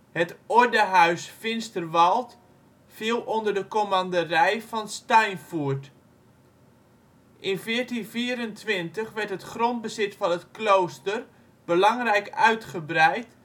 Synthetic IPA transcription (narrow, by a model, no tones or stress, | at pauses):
hətɔɹdəɦœɥsfɪnstərʋɑlˠt | filˠondərdəkomandərɛjfɔnstajnfuɹt | ʔɪnfɪːərtinfiːɾəntʋɪntəχʋɛɹtɦətχront̚bəzɪtfɑnətklowstər | b̥əlɑŋrɛjkœɥtχəbrɛjt